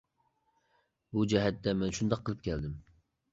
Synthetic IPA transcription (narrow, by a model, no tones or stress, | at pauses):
bud͡ʒɛɦɛt̪ːɛmɛnʃund̪ɑqʰːəlˠɨp̚kʲʰɛld̪ɪm